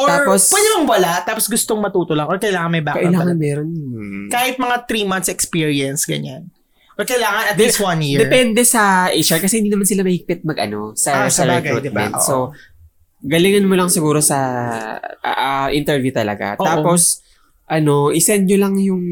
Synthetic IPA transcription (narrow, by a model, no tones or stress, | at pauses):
ʔot̪aːɹpospwɛd̪ɪlɐŋwɐlat̪aːposɡʊst̪oŋmɐt̪uːt̪olɐŋʔoɹkɐjlaːŋɐnmɐjbakɐʔɪlaːŋɐnmɛːɾonkaːhɪt̪̚mɐŋat̪ɾiːmɐn̚sɛkspiɹiɐnsɡɐ̰ɲan | ʔoɹkɐɪlaːŋɐnɐt̪d̪ɛswɐnjɪd̪ɛpɛnd̪ɛsɐʔiʃɐɹkɐsɛhɪnd̪iːnɐmansɪlamɐhɪɡ̚pɪt̪̚mɐɡʔɐ̰no̞sɐsɐlkɾud̪ɪmɛ̰nt̪ːso | ɡɐlɪŋɐnmolɐŋsɪɡuːɾo̞sɐ̰ | ʔɐʔɪnt̪ɛɹvjut̪ɐlɐ̰ɡa̰t̪ːaːpo̞s | ʔɐno̞ʔɪsɛnɲolɐŋjʊŋ